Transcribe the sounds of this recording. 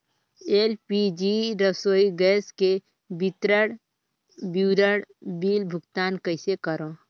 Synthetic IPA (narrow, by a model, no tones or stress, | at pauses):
eːlpid͡ʒiɾəsoːiɡɛːske | bit̪ɾəɽ | bjuːɾəɽbiːlbʱʊɡt̪aːnkəɪsekəɾõ